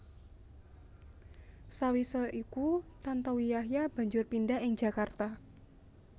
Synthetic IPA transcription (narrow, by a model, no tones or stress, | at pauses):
sawisɔʔikut̪ant̪ɔwijaɦjab̥a̤ɲd͡ʒʊrpindaɦɪŋd͡ʒ̥a̤kart̪a